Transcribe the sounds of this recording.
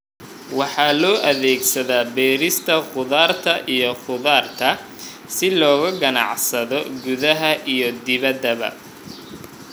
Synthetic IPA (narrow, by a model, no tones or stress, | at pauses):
wɑħɑːlɔːʔɐðɛːɡsɐðaːbɛːɾɪst̪ʰɐχʊðaːrt̪ʰɐʔijɔχʊðaːrt̪ʰɐ | sɪlɔːɣɐɡɐnɑ̰ʕsɐðɔɡʊðɐɦɐʔijɞd̪ɪβɐd̪ːɐβɐ̰